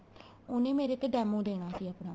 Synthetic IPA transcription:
ʊnẽːmeːɾeːt̪ːeːɖɛːmõːd̪eːɽ̃aːsiːəpnãː

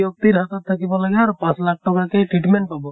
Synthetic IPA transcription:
jok̚t̪iɾɦat̪ɔt̪ʰːakibɔlaɡɛaɾupãslak̚ʰʈɔkakɛʈɹiʈmenʈ̚pabɔ

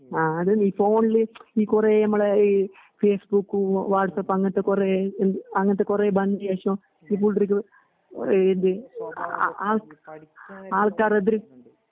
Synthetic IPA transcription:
aːɐðɨmiːfoːnilɨiːkureːnɐmːɐɭei | feːsbukːuʋaːʈsɐpːɐŋːɐt̪ːekureːend̪ɐŋːɐnt̪ːekureːbɐndiɐʂõː | iːp̬uɭʈɾik̬ʲːɨ | end̪ɨ | aːɭ | aːɭkaːɾɐðɪɾɨ

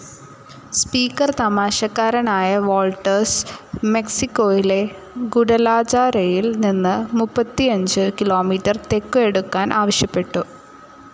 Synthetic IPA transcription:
spiːkːɐrt̪ɐmaːɕɐkːaːɾɐnaːjɐʋoːlʈːɐrsme̞ksikːo̞ːjile̞ | ɡuɽɐlaːt͡ɕaːrejilninːɨmupːɐt̪ːiɐɲd͡ʑɨkilo̞ːmiːʈːɐrt̪e̞kːɨe̞ɽukːaːnʔaːʋɐɕjɐpːe̞ʈːu

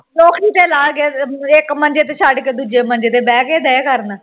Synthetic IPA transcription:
nɔːkɾiːt̪eːlaːɡeːɪkmənd͡ʒeːt̪̬eːsʰaːɖkeːd̪uːd͡ʒeːmə̃nd͡ʒeːt̪eːbɛːkeːd̪ɛːkəɾn

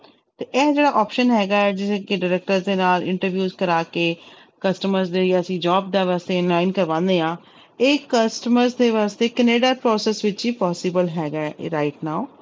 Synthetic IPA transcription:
t̪eːʔɛːd͡ʒeːɽaːʔɔːpʃənɦɛːɡaːɛːd͡ʒɪseːkɪɖaːɾɛːk̚ʈəɾzd̪eːnaːlɪ̰̃ɳʈəɾʋjuːzkəɾaːkeː | kəsʈəməɾzd̪ejəsĩːd͡ʒɔːb̚d̪aːʋaːst̪eːnlaːɪnkəɾʋãːnd̪eːãː | eːkəsʈəməɾzd̪eːʋaːst̪eːkəneːɖaːpɾɔːsɛːsʋɪt͡ʃiːpɔːsɪbəlɦɛːɡaɛɾaːɪʈnaːʊ

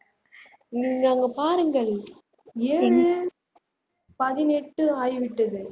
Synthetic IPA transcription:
ŋɐŋɡɐpaːɾɯŋɡɐɭ | eːɻɯ | pɐðɪnɛʈːɯaːjʋɪʈːɐðɯ

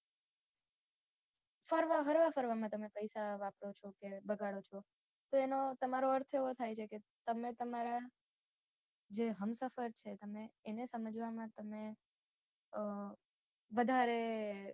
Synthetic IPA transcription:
fəɾʋaɦəɾʋafəɾʋamãt̪əmepəjsaʋapɾot͡ʃʰokebəɡaɽot͡ʃʰo | t̪oenot̪əmaɾoəɾt̪ʰeʋot̪ʰajt͡ʃʰeket̪əmet̪əmaɾa | d͡ʒeɦəmsəfəɾt͡ʃʰet̪əmeːnesəməd͡ʒʋamãt̪əme | ʋəd̪ʱaɾe

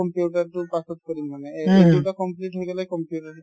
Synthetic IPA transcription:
ɔmpjuʈaɾʈupasot̪kɔɾinmaneediʈakɔmpliʈɦoeɡɛlekɔmpijuʈaɾ

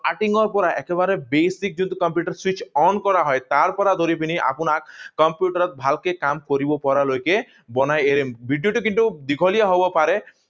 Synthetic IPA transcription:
aʈiŋɔɾpɔɾaʔɛkeβaɾebejsik̚d͡ʒunt̪ukɔmpjuʈaɾswit͡ʃɔnkɔɾaɦɔjt̪aɾpɔɾad̪ʱoɾipiniʔa̰punakkɔmpjuʈaɾɔt̪̚bʱalkekamkoɾibɔpɔɾalojke | bɔnajeɾembʱiɖijoʈikint̪ud̪ikʰɔliaɦɔbɔpaɾe

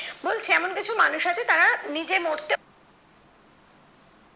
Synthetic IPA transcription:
bolt͡ɕʰeɛmonkit͡ɕʰumanuʃɦat͡ɕʰet̪aɾanid͡ʑemoɾt̪e

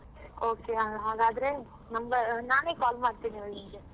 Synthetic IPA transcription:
oːkeɦaːɦaːɡaːd̪ɐɾe | nɐmɡɐnaːneːkaːlmaːɖt̪iːniʋɐinɡe

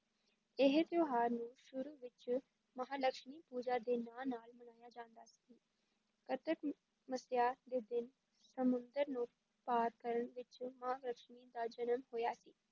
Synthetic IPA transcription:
ɪɦt̪joːɦaːɾnũːʃʊɾuːʋɪt͡ʃ | mɐɦaːləkʃɳiːpuːd͡ʒaːd̪eːnaːlnaːlmənaːjaːd͡ʒãːnd̪aːsiː | kət̪ək | məsjaːd̪eːd̪ɪn | səmʊ̃nd̪əɾnũː | paːɾkəɾəɳʋɪt͡ʃmɐɦaːɡləkʃmiːd̪aːd͡ʒənəmɦoːjaːsiː

